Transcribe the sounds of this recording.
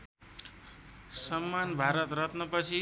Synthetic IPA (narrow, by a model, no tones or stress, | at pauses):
sʌmːanbʱaɾʌt̪rʌt̪nʌpʌt͡sʰi